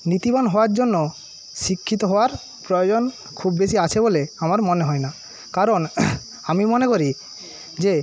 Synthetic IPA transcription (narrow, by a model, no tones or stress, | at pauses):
nit̪ibɔnɦɔoaɾd͡ʑonːo | ʃikʰːit̪oɦɔoaɾ | pɾɔjod͡ʑon | kʰubbeʃiat͡ɕʰeboleamaɾmɔneɦɔena | kaɾon | amimɔnekoɾi | d͡ʑe